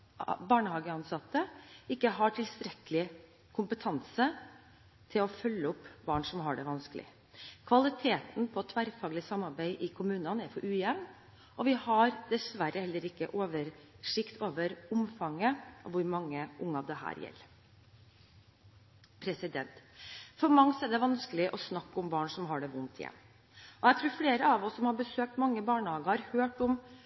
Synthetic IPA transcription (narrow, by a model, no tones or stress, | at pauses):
bɑːɳəhɑːɡəɑnsɑt̪ːəɪkːəɦɑʈʰɪlst̪ɾɛkəlɪ | kʰʊmpət̪ʰɑnsə | t̪ʰɪlɔfœlːəʊpːbɑːɳʂɔmɦɑɖɛʋɑnskəlɪ̰ | kʰʋɑlɪt̪ʰeːt̪n̩pʰɔt̪ʰʋæɾfɑːɡlɪsɑmːɑɾbæɪʔɪkʰʊmʉːnənæɾfɔɾʔʉːjɛʋn | ʔɔʋɪhɑɾd̪̥ɛsʋæɾəhɛlːəɾɪkːə̰ʔoːʋəɾ | ʂɪkt̪ʰoːʋəɾʊmfɑŋːəʔɔʋʊɾmɑŋːəʔʊŋːəɑʋd̪ɛhæ̰ːɾjɛ̰lː | pʰɾɛsɪd̪ɛ̰nt̪fɔɾmɑŋsɛd̪ɛʋɑnskəlɪʔɔsnɑkːʊmbɑːɳsɔmɦɑɖɛʋʊnt̪ʰjɛ̰n | ʔɔjæɪt̪ʰɾʉːɾfleːɾəɑʋɔsːɔmhɑɾbəsøːk̚t̪mɑŋːəbɑːɳəhɑːɡəhɑɾhøːʈɔm